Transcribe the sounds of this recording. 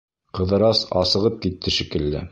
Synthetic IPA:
qɤ̆ðɤ̆ɾɑsɑ̰sɤ̆ʁɤp̚kit̪ʰːɘʃikɘ̆lːɘ̰

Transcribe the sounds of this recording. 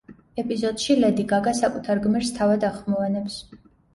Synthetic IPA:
ɛpʼizɔd̪̥ʃilɛd̪iɡaɡasakʼut̪ʰaɾɡmɛɾst̪ʰavad̪aχmɔvanɛps

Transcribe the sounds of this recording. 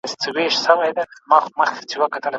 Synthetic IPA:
st͡səweʃsəwajd̪amɑxoməxkt͡ʃewəkat̪əla

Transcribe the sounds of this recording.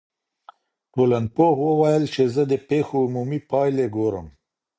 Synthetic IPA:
ʈolanpoxwəwajəlt͡ʃezəd̪əpexoːmumipɑjleɡoɾə̰m

